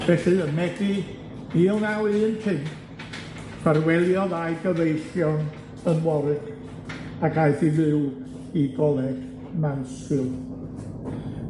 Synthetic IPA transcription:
b̥ɛɬɨənmɛdi | iːlˠnawɨːntʰɨn | fʰarwɛlˠjɔðajɡəvejɬjɔn | ənwɔɾɨk | akʰajθivɪw | iɡɔlˠɛɡ̥ | mansɪl

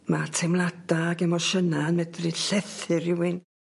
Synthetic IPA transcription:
matʰɛmlˠadaɡɛmɔʃənanmɛdrɨɬɛθɨrɪwɪn

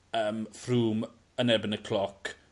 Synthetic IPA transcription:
əːmfruːm | ənɛbənəkʰl̥ɔk

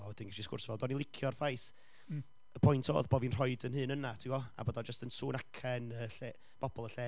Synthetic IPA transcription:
ɔwɛdɪnɡaʃiskʊ̰rsvɔdɔnilˠɪkʰjɔrfajθ | əpʰɔjntʰo̰ːðboːvinr̥ɔɨdənɦɨːnənatʰiwɔa̰boːdɔd͡ʒəstənsuːnakʰɛnəːɬe | b̥ɔbɔlˠəɬɛː

